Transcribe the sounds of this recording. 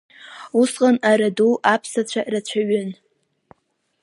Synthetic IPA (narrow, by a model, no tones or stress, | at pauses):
usqʼanaɾaduʔapʰsat͡ɕʷʰaʔrat͡ɕʷʰaɥʏn